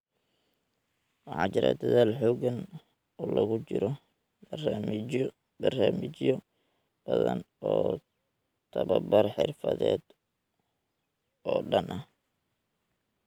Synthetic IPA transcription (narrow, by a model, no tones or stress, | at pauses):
wɑħɑ̰ːt͡ʃɪɾa̰d̪ɐðaːlħɔːɡɐn | ɔːlɐɣʊt͡ʃɪɾɔ | bɐraːmɪt͡ʃjɔ | bɐðɐn | ɔː | t̪ʰɐβɐbɐrħɪrfɐðɛːd̪ | ɔːɖɐnʔɐh